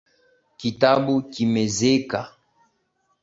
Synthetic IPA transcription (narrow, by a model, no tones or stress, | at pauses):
kitabukimezeka